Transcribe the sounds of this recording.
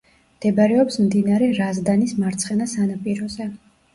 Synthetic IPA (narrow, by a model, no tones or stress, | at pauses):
md̪̥ɛbɾɛɔpsmd̪inaɾɛɾazd̪anismaɾt̪sʰχɛnasanapʼiɾɔzɛ